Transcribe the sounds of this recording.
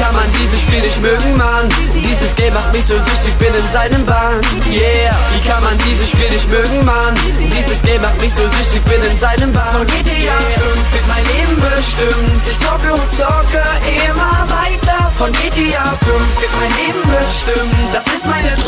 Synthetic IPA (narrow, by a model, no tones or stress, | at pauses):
kanmandiːzəʃpiːlnɪçtmøːɡŋ̩man̥ | iːzəsɡ̥ɛltmaχt̚mɪçz̥oːzʏçtɪçb̥ɪnɪnzaɪnəmba | n | ja | viːkʰanmandiːzəʃpiːlnɪçtmøːɡŋ̩man | d̥iːzəsɡ̥ɛltmaχtmɪçz̥oːzʏçtɪçb̥ɪnɪnzaɪnəmbafɔnɡetiaːfʏnfv̥ɪɐt̚maɪnleːbm̩bəʃtɪmətɪçz̥ɔːɡəʊt͡sɔkə | ʔɪmɐvaɪtɐfɔnɡ̥eːdiaːfʏnfv̥ɪɐtmaɪnleːbm̩bəʃtɪmd̥asɪstmaɪnə